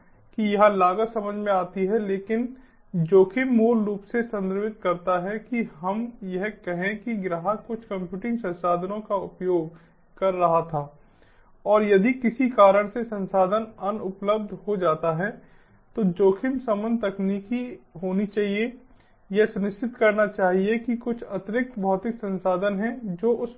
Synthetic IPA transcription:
kijɐɦãlaːɡəsɐməd͡ʒʱmẽaːt̪iɦɛleːkɪn | d͡ʒoːkʰɪmːuːlɾuːpsesɐ̃nd̪əɾʋɪt̪̚kɐɾt̪aɦɛkiɦɐmjɛɦkɛɦẽkiɡɾaːɦəkʊt͡ʃʰkə̃mpjuːʈɪ̃ŋɡsɐ̃nsaːd̪ʱənõkaʊpjoːɡ | kɐɾːɐɦat̪ʰaː | ɔːɾjɐd̪ikɪsikaːɾəɽ̃sesɐ̃nsaːd̪ʱənɐnʊpləb̚d̪ʱɦod͡ʒaːt̪aɦɛ | t̪od͡ʒoːkʰɪmsɐmə̃nt̪ɐkniːkiɦoːnit͡ʃaːɦie | jɛsʊnɪʃt͡ʃɪt̪kɐɾnat͡ʃaːɦiekikʊt͡ʃʰɐt̪ɾɪk̚t̪bʱɔːt̪ɪksɐ̃nsaːd̪ʱənɦɛd͡ʒoːʔʊs

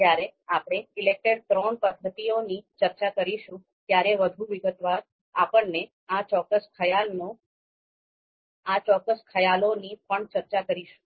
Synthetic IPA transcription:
d͡ʒjaɾeapɽ̃eɪlek̚ʈəɽt̪ɾɔɳpəd̪ʱːət̪ionit͡ʃəɾt͡ʃakəɾiʃũ | t̪jaɾeʋəd̪ʱũʋiɡət̪ʋaɾ | apəɳne | at͡ʃɔkːəskʰəjalno | at͡ʃɔkːəskʰəjalonipəɳt͡ʃəɾt͡ʃakəɾiʃũ̥

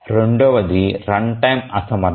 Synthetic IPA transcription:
ɾeɳɖoːʋɐd̪iɾɐɳʈɐjmɐsɐmɐ

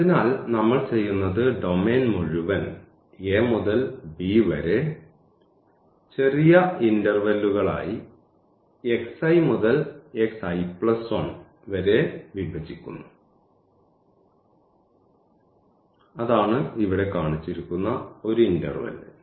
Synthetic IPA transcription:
ɐðinaːlnɐmːɐɭt͡ɕe̞jːunːɐðɨɖo̞me̞ːnmuɻuʋɐn | e̞ːmuðɐlbiʋɐɾe̞ | t͡ɕe̞rijɐindɐrʋɐlːuɣɐɭa̰ːji | eksɐjmuðɐle̞ksɐjpɭɐsʋɐn | ʋɐɾe̞ʋibʱɐt͡ɕːikʲːunːu | ɐðaːɳɨiʋiɽe̞kaːɳit͡ɕːiɾikʲːunːɐo̞ɾuindɐ̰rʋɐ̰l

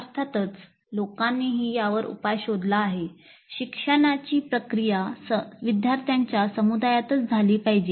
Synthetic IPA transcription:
aɾt̪ʰat̪ət͡s | lokanːiːɦiːjaʋəɾṵpajɕod̪laːɦe | ɕikʂəɳ̃at͡ɕiːpɾəkɾijasəʋid̪ʱjaɾt̪ʰjaɲt͡ɕjasəmud̪ajat̪ət͡sd͡zʱaliːpaɦid͡ʑe

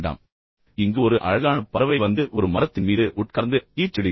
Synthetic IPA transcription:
ɳɖa̰ːm | ɪŋɡɯɔɾɯʔɐ̰ɻɐɣaːnɐpːɐɾɐʋɐɪʋɐnd̪ɯʔɔɾɯmɐɾɐt̪ːɪnmiːðɯʔʊʈ̚kɐɾnd̪ɯiːʈːɪɽɪ

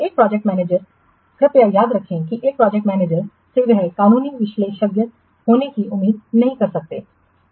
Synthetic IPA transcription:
ek̚pɾaːd͡ʒɛk̚ʈmɛːneːd͡ʒəɾ | kʰəpɪjajaːd̪ɾəkʰːẽːkiʔɪk̚pɾaːd͡ʒɛk̚ʈmɛːneːd͡ʒəɾ | sɪʋɛɦɛkaːnuːniːʋɪʃleːʃəɡjət̪̚ | hoːnekiːʔʊmːiːd̪̚nəɦĩːkəɾsək̚d̪ḛː

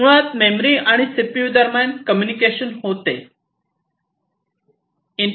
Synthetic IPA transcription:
ɭaːt̪meːmɾiaːɽ̃isɪpjud̪əɾmãːnkəmjunikeːʃənɦoːt̪ḛː | ɪɳ

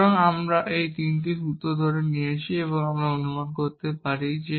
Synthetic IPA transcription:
ŋamɾaʔejt̪intisut̪ːod̪ʱɔɾeniet͡ɕʰieβoŋamɾaonumankoɾt̪epaɾid͡ʑe

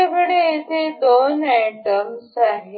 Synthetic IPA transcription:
abeɽeit̪ʰed̪onaʈəmsaɦe

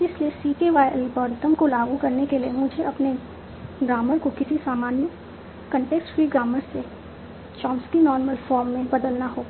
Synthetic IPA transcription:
ɪsliesiːʈeʋaːjəlpɐɾɪt̪əmkolaːɡukɐɾnekeliemʊd͡ʒʱeʔɐpne | ɡɾaːməɾkokɪsisaːmaːnjə | kɐ̃ɳʈeːksʈfɾiːɡɾaːməɾse | t͡ʃɔ̃ːmskinɔːɾməlfɔːɾmːẽbɐd̪əlnaɦoː

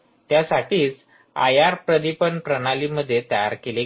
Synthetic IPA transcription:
t̪jasaʈiːt͡s | a̰jaɾpɾəd̪ipəɳpɾəɽaliːməd̪ʱːjet̪əja̰ɾkele

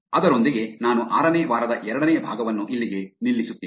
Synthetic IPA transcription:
ɐd̪ɐɾo̞nd̪iɡe̞naːnuʔaːɾɐneːʋaːɾɐd̪ɐʔɛɾɐɽɐneːbʱa̰ːɡɐʋɐnːuʔilːiɡe̞nilːisut̪ːiː

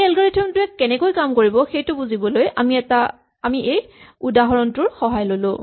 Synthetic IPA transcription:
ɛlɡɔɹitʰɔmntʊɛkːɛnɛkojkamkoɹibɔxejtʊbuzibɔlojamiɛta | amiʔejudaɦɔɹɔntʊɹxɔɦajlolʊ̰̃

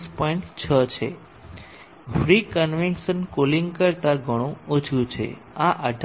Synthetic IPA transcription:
spɔiɳʈt͡ʃʰət͡ʃʰḛ | fɾikənʋinʃənkoliŋɡkəɾt̪aɡʱəɽ̃ũot͡ʃʰũt͡ʃʰḛ | aʔəɖʱ

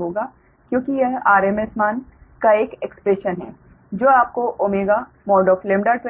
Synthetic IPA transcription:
ɦoːɡaː | kjõːkijɛɦaːɾeːmesmaːnkaeːkekspɾeʃənɦɛ̰ː | d͡ʒoːaːp̚koʔoːmeːɡa | mɔːɾɖɔːflẽːmɖaʈʋ

